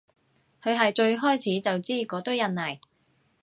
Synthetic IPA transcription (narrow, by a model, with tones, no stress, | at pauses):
kʰɵ˨˧ɦɐ˨jt͡ʃɵ˧ɥɦɔː˥jt͡sʰiː˨˥t͡sɐ˨wt͡siː˥kɔː˨˥t̪o˥wjɐ˨˩nːɐ˨˩j